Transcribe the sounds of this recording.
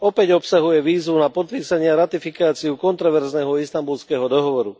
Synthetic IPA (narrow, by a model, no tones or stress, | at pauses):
ɔpɛɟɔpsaɦujɛʋiːzʋunapɔt̪̚piːsaɲɪaɾat̪ifikaːt͡siukɔnt̪ɾɔʋɛɾznɛːɦɔist̪ambulskɛːɦɔd̪ɔɦɔʋɔɾu